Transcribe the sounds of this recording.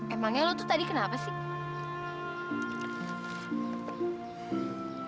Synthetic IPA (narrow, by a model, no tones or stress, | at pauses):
ɛmaŋɛlɔt̪ut̪adikənapasi